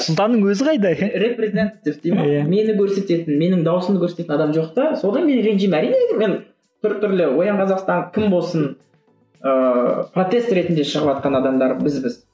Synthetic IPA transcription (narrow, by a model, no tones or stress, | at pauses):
sʊlˠt̪ɑnːəɴwɵzɪqʰɑjd̪ɑjɾe̞prezet̪at̪at̪ivd̪ejmeme̞nɪkʲʰɵɾse̞t̪e̞t̪ɪnme̞nɪŋd̪ɑwʊsəmd̪əkʲʰɵɾset̪et̪ɪnɑd̪ɑmʒo̞qt̪əso̞d̪ɑnme̞nɾe̞nʒijmæɾijneed̪ɪme̞n | t̪ʰʏɾt̪ʰʏɾlɪwo̞jɑɴqʰɑzɑqst̪ɑŋkʲʰɪmbo̞lˠsən | əpro̞t̪e̞st̪ɾe̞t̪ɪnd̪e̞ʃəʁəpɑt̪̚qɑnɑd̪ɑmd̪ɑɾbɪzbɪz̥